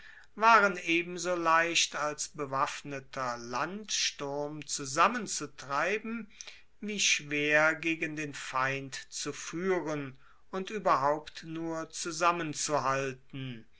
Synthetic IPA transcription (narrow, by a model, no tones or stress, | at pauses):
vaːʁəneːbm̩zoːlaɪʃtalsb̥əvafnətʰɐlantʃtʊɐmt͡suzamənt͡sutʁ̥aɪbm̩ | viːʃv̥eːɐɡeːɡəndeːnfaɪntt͡sufyːʁən | ʊntʔyːbɐɦaʊptnuːɐt͡suzamənt͡suɦaltn̩